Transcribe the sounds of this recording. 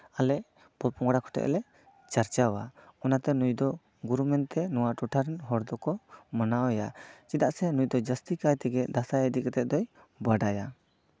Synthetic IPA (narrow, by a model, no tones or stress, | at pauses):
alɛʔ | pɔlpɔŋɡɽakʰɔ̥ʈɛ̰ʔlɛ | t͡ʃaɾt͡ʃawaɔnat̪ɛnujd̪ɔ | ɡuɾumɛnt̪ɛnɔwaʈuʈʰaɾɛnɦɔɽd̪ɔkɔmənawɛjat͡ʃid̪aʔsɛnujd̪ɔd͡ʒəst̪ikajt̪ɛɡɛd̪asajəd̪ikɛt̪ɛʔ̚d̪ɔj | baɖaja